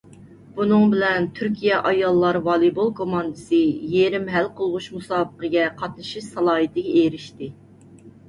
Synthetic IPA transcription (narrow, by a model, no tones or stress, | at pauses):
b̥unɨŋbɪlɛnt̪ʰyɾkʲijɛʔɑjɑlˠːɑɾvɑlˠibolˠkʰomɑnd̪ɨsɨjeɾɪmɦælqʰolˠʁʊʃmusɑːbəqəɡʲɛqʰɑt̪nɨʃiʃsɑlˠɑːɦɨt̪ʰɪɡʲɛeɾɪʃt̪ɪ